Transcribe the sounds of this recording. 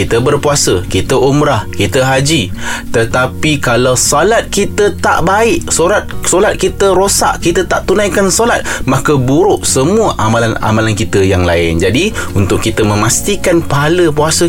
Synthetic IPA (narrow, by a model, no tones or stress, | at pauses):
it̪əbərpuasəkit̪əʔumɾahkit̪əɦad͡ʒit̪ət̪apikalawsalat̪̚kit̪ət̪a̰ʔbaɪʔsoɾat̪̚solat̪̚kit̪əɾosa̰ʔkit̪ət̪aʔt̪unãjkansolat̪̚mãkəbuɾʊʔsəmuəʔamalana̰malankit̪əjaŋlaɪnd͡ʒadiunt̪ʊʔkːit̪əmə̃mast̪ikanpaɦaləpuasə